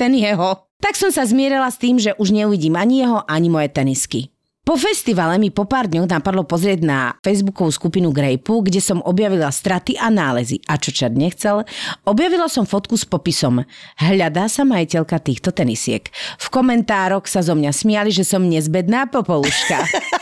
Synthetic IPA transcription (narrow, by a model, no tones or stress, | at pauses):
t̪ɛnjɛɦɔ | t̪aksɔmsazmɪɛɾɛlast̪iːmʒɛʔuʒɲɛuʋiɟiːmaɲijɛɦɔʔaɲimɔjɛt̪ɛniski | pɔfɛst̪iʋalɛmipɔpaːɾd̪ɲɔɣnapaɾlɔpɔzɾɪɛɟnafɛjzbukɔʋuskupinuɡɾɛjpuɡɟɛsɔmɔbjaʋilast̪ɾat̪iʔanaːlɛzḭʔat͡ʃɔt͡ʃad̪ɲɛxt͡sɛlɔbjaʋilasɔmfɔt̪kuspɔpisɔmɦʎad̪aːsamajicɛʎkat̪iːxt̪ɔt̪ɛnḭsɪɛ̰kfkɔmɛnt̪aːɾɔxsazɔmɲasmɪaliʒɛsɔmɲɛzbɛd̪naːpɔpɔluʃka